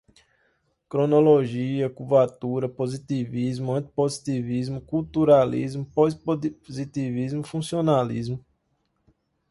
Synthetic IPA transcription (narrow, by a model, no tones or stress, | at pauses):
kɾonoloʒiɐkuvat̪uɾɐpozit̪ivizmʊɐ̃t̪i̥pozit̪ivizmʊkuwt̪uɾalḭzmʊpozozit̪ivizmʊfũsionalḭzmʊ